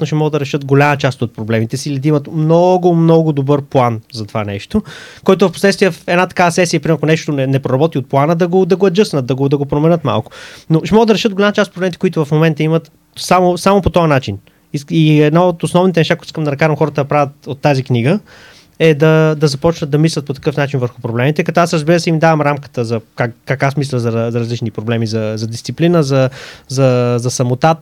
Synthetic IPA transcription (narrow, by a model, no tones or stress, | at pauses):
noʃɛmɔɡəd̪ɐɾɛʃɤt̪ɡolʲamət͡ʃast̪ot̪̚pɾoblɛmit̪ɛsilid̪ɐimət̪mnɔɡʊmnɔɡʊd̪obɤɾplˠanzɐt̪ova̰nɛ̰ʃt̪okɔjt̪ʊvɐfposlɛt̪st̪vijɛfɛd̪nat̪ɐ̥kavəsɛsiəpɾimɛɾkonɛʃt̪onɛnɛpɾoɾɐbɔt̪iot̪̚plˠanəd̪ɐɡod̪ɐɡoɐd͡ʒɤsnət̪̚d̪ɐɡod̪ɐɡopɾomɛnɤt̪ma̰lˠkʊ̥noʃɛmɔɡəd̪ɐɾɛʃət̪dɡolʲamɐt͡ʃast̪pɾbɛmit̪ɛkoʊit̪ʊvɐfmomɛnt̪əimət̪ | samosamopot̪ɔjənat͡ʃin | iiɛd̪naot̪osnɔvnit̪ɛnɛʃt̪akt̪i̥skəmd̪ɐnɐkaʒəmxɔɾət̪əd̪ɐpɾavʲət̪ot̪ːazikniɡə | ɛd̪ɐd̪ɐzɐpɔt͡ʃnət̪d̪ɐmislʲɐt̪̚pot̪ɐ̥kɤfnat͡ʃinvəɾxʊpɾoblɛmit̪ɛkɐt̪ɔasɾəzbiɾəsɛimid̪avəmɾamkə̥t̪əzɐkakkːakasmis̬lʲəzɐɾɐzɐɾɐzlit͡ʃnipɾoblɛmizɐzɐd̪ist̪siplinəzɐzɐzɐsɐmot̪a